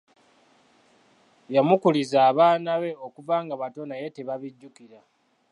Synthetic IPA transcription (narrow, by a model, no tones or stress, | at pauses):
jamukulizaːβaːnaβe̞okuvaːŋɡaβato̞naje̞te̞βaβiɟːukiɾa